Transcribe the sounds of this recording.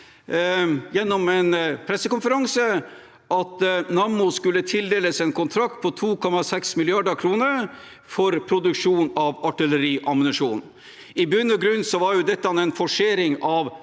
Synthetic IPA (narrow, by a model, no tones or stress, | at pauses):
jɛnːɔmɛnpʰɾɛsːəkʊnfəɾɑŋsə | ʔɑt̪nɑmʊskʉlːət̪ʰɪld̪eːləsɛnkʰʊnt̪ʰɾɑk̚t̪̚pʰɔt̪ʰuːkʰɔmːɑsɛksmɪlɪɑɖəɾkʰɾuːnəɾ | fɔɾpʰɾʊd̪ʉkʂuːnɑʋɑʈɪləɾiːʔɑmʊnʉʂuːnn̩ | ɪbʉnːɔɡɾʉnːsɔʋɑɾjʊd̪ɛt̪ːɑnɛnfɔʂeːɾɪŋɑʋ